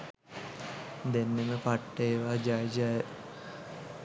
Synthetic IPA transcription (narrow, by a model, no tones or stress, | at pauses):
d̪enːeməpaʈːəeːʋaːd͡ʒajd͡ʒa